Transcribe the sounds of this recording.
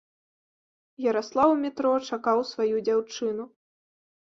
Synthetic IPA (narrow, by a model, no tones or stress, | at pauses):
jɐɾaslˠawmʲit̪ɾɔt͡ʂakawsvajud͡zʲawt͡ʂɨnu